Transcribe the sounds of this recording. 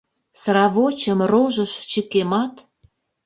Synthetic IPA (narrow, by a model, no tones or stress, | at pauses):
srɑβot͡ɕə̆mroʒəʃt͡ɕəkemɑt̪